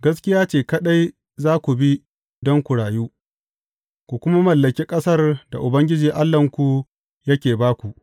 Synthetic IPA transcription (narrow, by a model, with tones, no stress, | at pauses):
ɡɐ˦s̬kʲɪ˦jaː˦t͡ʃeː˨kɐ˦ɗa˦j | zaː˦kʷu˨bi˦ | dɔ˦ŋkʷu˨ɽaː˨juː˦ | kʷu˨kʷʊ˦ma˦mɐ˨lːɐ˨kʲeː˦kʼɐ˦sɐ˦rda̰˨ʔʊ˨bɐ˦ŋɡʲɪ˦d͡ʒiː˨ʔa˦lːɐ˨ŋkʷu˨ | jɐ˦kʲeː˨baː˦kʷu˨ʔ